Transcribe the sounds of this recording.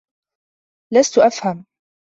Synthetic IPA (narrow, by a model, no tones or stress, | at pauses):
last̪ʊʔafham